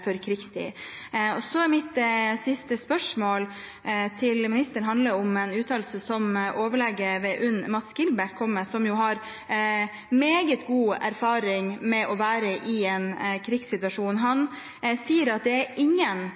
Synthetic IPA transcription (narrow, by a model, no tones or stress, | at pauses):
fɔɾkʰɾɪkst̪ʰḭːɔsɔæɾmɪt̪sɪst̪əspœʂmoːl | t̪ʰɪlmɪnɪst̪əɳɦɑnd̪ləɾɔmɛnʉːt̪ʰɑːlsəsɔmʔoːʋəɭɛɡəʋɛʔʉnːmɑt̪sɡɪlbæʈ̚kʰɔmːəsɔmjʊɦɑɾ | meːɡət̪ɡuːæ̰ɾfɑːɾɪŋmɛʔɔʋæːɾəʔɪɛnkʰɾɪksɪt̪ʋɑʂuːnɦɑn | siːəɾɑt̪̚d̪ɛæɾɪŋːən